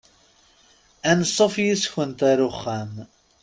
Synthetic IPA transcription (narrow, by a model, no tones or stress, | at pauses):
ænsˤːofjisçənt̪æɾʊχːæm